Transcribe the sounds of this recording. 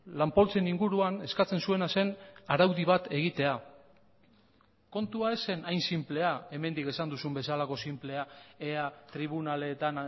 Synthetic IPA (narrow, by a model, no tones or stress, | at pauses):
lampo̞lt͡seniŋɡuɾuane̞skat͡se̞nsue̞nase̞naɾawðiβ̞at̪e̞ɣ̞it̪e̞a | ko̞nt̪uae̞se̞najnsimple̞ae̞me̞nd̪ike̞sand̪usumbe̞salako̞simple̞aeat̪ɾiβ̞unale̞ːt̪an